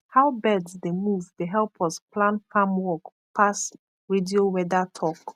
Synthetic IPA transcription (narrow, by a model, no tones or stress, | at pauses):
haʊbɛdsdemuvdeɦɛlpʰɔsplãnfamwɔk | pʰas | ɹediowɛdatʰɔk